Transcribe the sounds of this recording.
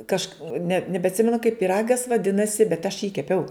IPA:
ˈkɐʃk nʲɛ nʲɛbʲɛɐtʲˈsʲɪmʲɛnʊ kɐɪp pʲiːˈrɑːɡɐs ʋɐˈdʲɪnɐsʲɪ bʲɛt ɐʃ jiː kʲɛˈpʲɛʊ

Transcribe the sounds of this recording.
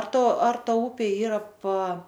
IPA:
ɐr ˈtɐ ɐr ˈtɐ ˈʊpʲeː ˈiːrɐ pɐ

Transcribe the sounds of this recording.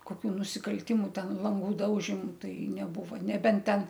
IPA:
koːˈkʲuː nʊsʲɪkɐlʲˈtʲɪmʊ ˈtʲɛn ˈlˠɐŋɡʊ ˈdɐʊʒʲɪmʊ ˈtɐɪ nʲɛˈbʊʋɐ nʲɛˈbʲɛnt ˈtʲɛn

